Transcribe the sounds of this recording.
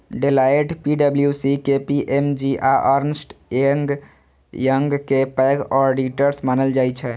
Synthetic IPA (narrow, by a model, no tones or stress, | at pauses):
ɖelaeʈpiɖəbljusikepiʔemd͡ʒiʔaʔəɾnsʈeŋɡ | jəŋɡkepəjɡɔɾɖiʈəɾsmanəld͡ʒajt͡ʃʰɛ